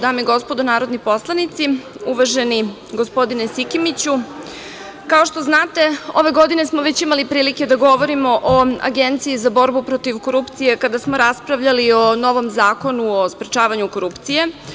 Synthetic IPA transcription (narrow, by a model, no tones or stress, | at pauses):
d̪aːmiɡo̞spo̞d̪onaːɾo̞d̪nipo̞slˠanit̪si | uʋaʒeni | ɡospo̞d̪inesikimit͡ɕu | kao̞ʃt̪o̞znaːt̪e̞oʋe̞ɡo̞d̪ine̞smoʋe̞t͡ɕimalipɾiːlike̞d̪aɡo̞ʋo̞ɾimo̞ʔoa̰ɡe̞nt̪siizabo̞ɾbupɾo̞t̪iʋko̞ɾupt̪sije̞kad̪asmo̞ɾaspɾaʋʎaliono̞ʋo̞mzaːko̞nuospɾet͡ʃaːʋaɲuko̞ɾupt̪sije̞